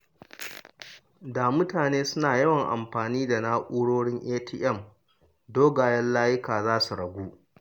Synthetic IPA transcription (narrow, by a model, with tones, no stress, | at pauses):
da˨mʊ˦taː˨neː˦sʊ˦naː˨jɐ˦wɐ˨ŋʔa̰˨mɸaː˨niː˦da˨naː˦ʔʷʼuː˦ɽoː˦ɽɪ˦ŋʔeː˦tiː˦ʔɛ˦˨m | doː˦ɡaː˨jɐ˦nlaː˦jɪ˦kaː˨zaː˦su˨ɽɐ˨ɡʷuː˦